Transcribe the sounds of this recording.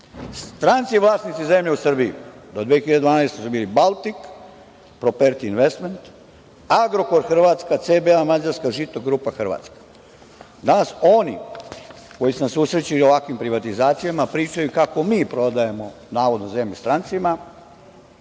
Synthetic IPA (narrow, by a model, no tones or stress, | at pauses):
st̪ɾant̪siʋlˠaːsnit̪ize̞mʎeusr̩bijṵd̪o̞d̪ʋeexiʎaded̪ʋaːnajst̪esubiːlibalt̪ik | pɾo̞peɾt̪iːnʋest̪ment̪ | aɡɾo̞ko̞ɾxr̩ʋat̪skat̪sebeamad͡ʒaɾskaʒit̪oɡɾupaxr̩ʋa̰ːt̪skḁ | d̪anaso̞ni | ko̞jisunasuːsɾet͡ɕilio̞ʋakʋimpɾiʋat̪izaːt̪sijamapɾiːt͡ʃajukako̞miːpɾo̞d̪ajemo̞ | naːʋo̞d̪noze̞mʎust̪ɾant̪sima